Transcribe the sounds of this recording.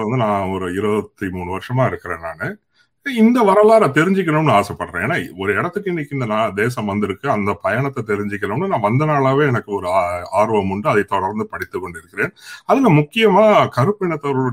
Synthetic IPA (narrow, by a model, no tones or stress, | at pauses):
ʋɐnd̪ɯnãːɔɾɯɪɾɯʋɐt̪ːimuːɳɯʋɐɾɪʂɐmaːɪɾɯkːɪɾḛːna̰ːnɯ | ɪnd̪ɐʋɐɾɐlaːɾaːt̪ɛɾɪɲd͡ʒɪk̬ːɐnɐɳːɯaːsɛpːɐɽɾḛ̃eːnːaːɔɾɯɛɽɐt̪ːɯkːɪnːɪkːɪnd̪ɐnaːd̪eːsɐ̃mʋɐnd̪ɪɾɯkːɯɐnd̪ɐpɐjɐɳɐt̪ːɐt̪ɛɾɪɲd͡ʒɪkːɐɾɐmɳːnɯnãːʋɐnd̪ɐnaːɭaːʋeːɛnɐkːɯɔɾɯaːɾʋɐmʊɳɖɯɐðɐɪt̪ɔɽɐɾnd̪ɯpɐɽɪt̪ːɯkːɔɳɖɪɾɯkːɪɾẽːnɐðɯnãːmʊkːɪjɐmaːkɐɾɯpːɪɳɐt̪ːɔɾɯɭ